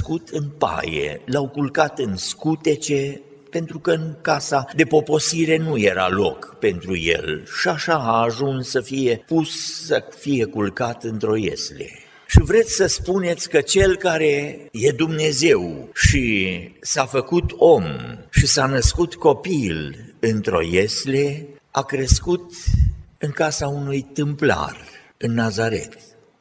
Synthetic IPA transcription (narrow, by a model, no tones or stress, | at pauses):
skut̪ɨnpa̰jḛlawkulkat̪ɨnskut̪e̞t͡ʃe̞ | pe̞nt̪ɾukəɨŋkasad̪e̞po̞po̞siɾe̞nuje̞ɾa̰lo̞̰kpe̞nt̪ɾṵjḛlʃiaʃaaːʒunsːəfije̞pussəfije̞kulkat̪ɨnt̪ɾo̞je̞̰sle̞̰ | ʃivɾe̞t̪sʲsəspune̞t̪sʲkət͡ʃe̞lkaɾeje̞d̪umne̞ze̞wʃisafəkut̪o̞mʃisanəskut̪ko̞pilɨnt̪ɾo̞̰jesleakɾe̞skut̪ | ɨŋkasaunujt̪ɨmpla̰r | ɨnːazaɾe̞̰t̪